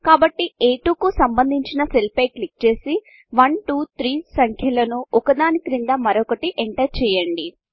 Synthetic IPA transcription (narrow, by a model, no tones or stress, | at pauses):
kaːbɐʈːieːʈuːkusɐmbɐnd̪ʱiɲt͡ʃinɐselpɐjklik̚t͡ʃe̞ːsi | ʋɐnʈuːt̪ʰɾiːsɐŋkʰjɐlɐnuɔkɐd̪aːnikɾind̪ɐmɐɾɔkɐʈiʔeɳʈɐjt͡ʃɛːjɐɳɖi